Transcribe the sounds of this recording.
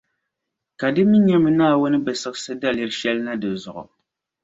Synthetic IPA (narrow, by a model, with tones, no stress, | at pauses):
ka˨dɨ˦mi˦ɲɛ˦mɨ˦naː˦˨wʊ˦nɨ˦bɛ˨sɨ˦ksɨ˦da˦li˦ɾʃɛ˦lna˦dɨ˨zʊ˨ʔʊ̰˨